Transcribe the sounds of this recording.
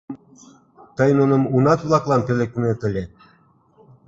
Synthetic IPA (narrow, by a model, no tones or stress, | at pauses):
t̪əjnunɤ̆munɑt̪βlˠɑklˠɑnpelʲek̚net̪ə̆lʲe